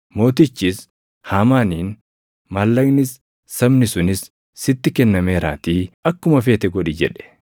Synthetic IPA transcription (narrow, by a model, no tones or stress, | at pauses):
mo̞ːt̪ɪt͡ʃːɪs | haːmaːniːn | mɐlːɐɡnɪsː | ɐbnɪsʊnɪsː | ɪt̪ːɪkɛnːɐmeːɾaːt̪iːɐkːʊmɐfeːt̪ɛɡɔᶑid͡ʒɛᶑɛ̥